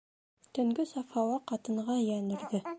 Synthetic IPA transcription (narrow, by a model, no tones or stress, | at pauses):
t̪ɵ̆ŋɡɵsɑfɑwɑqɑt̪ɤ̆ɴʁɑjænɘ̆ɾðɘ